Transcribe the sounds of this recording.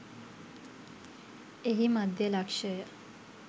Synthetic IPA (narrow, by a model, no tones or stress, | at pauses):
eɦimad̪ʱjəlakʂəjə